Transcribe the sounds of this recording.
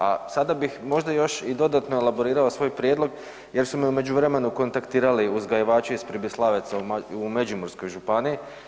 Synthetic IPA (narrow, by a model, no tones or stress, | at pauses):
a̰sad̪abixmo̞ʒd̪ajo̞ʃid̪o̞d̪at̪noelabo̞ɾiːɾaosʋo̞ːjpɾjed̪lo̞ɡ | je̞ɾsumeume̞d͡ʑuʋɾe̞me̞nuko̞nt̪akt̪iːɾaliuzɡajiʋaːt͡ʃuispɾibislˠaʋet̪samaumed͡ʒimoɾsko̞jʒupaniː